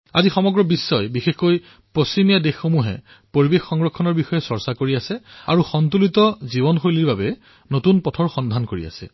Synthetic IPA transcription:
azixɔmɔɡɹɔbisːɔjbixexkoj | posimijadexːomuɦɛ̰ | poɹibekːɔŋɹɔkʰːɔnɔɹbixɔjɛsɔɹsakoɹiasɛaɹuxɔnt̬ulitɔzibɔnxojliɹbabɛ | notunpɔtʰɔɹxɔndʱankoɹḭa̰sɛ̰

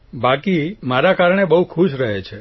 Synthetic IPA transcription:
bakimaɾakaɾɳ̃ebəɦukʰuʃɾəɦet͡ʃʰe

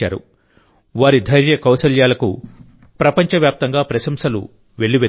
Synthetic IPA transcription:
a̰ːɾṵ | ʋaːɾid̪ʱɐjɾjɐkɐwsɐljaːlɐkṵ | pɾɐpɐɲt͡ʃɐʋjaːp̚t̪ɐŋɡaːpɾɐʃɐmsɐlṵ | ʋe̞ɭːiʋe

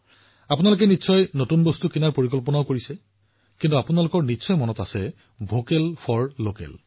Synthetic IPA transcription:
apunalʊk̬ɛnitːsʰɔjnotunbostukinaɹpoɹikɔlpɔnaokoɹisɛ | kintuapunalʊkɔɹnitːsʰɔjmɔnɔtasɛ | bʱokɛlpʰɔɹlokɛ̰l

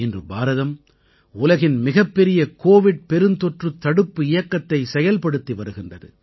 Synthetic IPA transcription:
ɪndrɯbaːɾɐðɐm | ʊlɐɣɪnmɪɣɐpːɛɾɪjɐkoːʋɪɽ̚pɛɾɯnt̪ɔʈrɯt̪ːɐɽɯpːɯɪjɐkːɐt̪ːɐɪsɛjɐlpɐɽɯt̪ːiʋɐɾɯɣɪndrɐðɯ̰

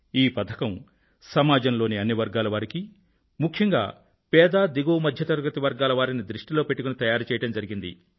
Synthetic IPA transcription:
iːpɐt̪ʰɐ̥kɐm | sɐmaːd͡ʒɐmlo̞ːniɐnːiʋɐɾɡaːlɐʋaːɾiki | mukʰjɐŋɡa̰ː | pɛːd̪aːd̪iɡuːmɐd̪ʱjɐt̪ɐɾuɡɐt̪iʋɐɾɡaːlɐʋaːɾinid̪ɾiʂʈilo̞ːpe̞ʈːukunit̪ɐjaːɾut͡ʃɛːjɐʈɐmd͡ʒɐɾiɡind̪ḭ

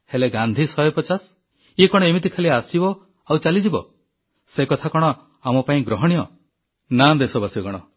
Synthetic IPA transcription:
heleɡand̪ʱisɔjɔpɔt͡ʃas | iekɔɽ̃ɔemit̪ikʰaliasibɔ | awt͡ʃalid͡ʒibɔ | sekɔt̪ʰakɔɽ̃ɔ | amɔpaĩɡɾɔɦɔɽ̃ijɔ | nad̪esɔbasibɔkɔɽ̃ɔ

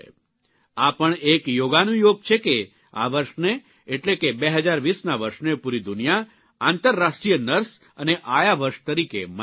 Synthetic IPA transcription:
apəɳekjoɡanũjoɡ̚t͡ʃʰeke | a̰ʋəɾʃne | eʈlekebeɦəd͡ʒaɾʋisnaʋəɾʃnepuɾid̪unija | ant̪əɾːaʃʈɾijənəɾs | əneʔajaʋəɾʃt̪əɾikḛm

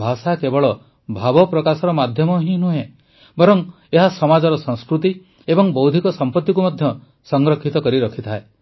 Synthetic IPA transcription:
bʱasakebɔɭɔ | bʱabɔpɾɔkasɔɾɔmad̪ʱjɔmɔɦĩnuɦẽ | bɔɾɔŋ | eɦasɔmad͡ʒɔɾɔsɔ̃ŋskɾut̪̬i | ebɔŋbɔwd̪ʱikɔsɔmpɔt̪ːjikumɔd̪ʱjɔ | sɔŋɡɾɔkʰːit̪ɔkɔɾiɾɔkʰit̪ʰae

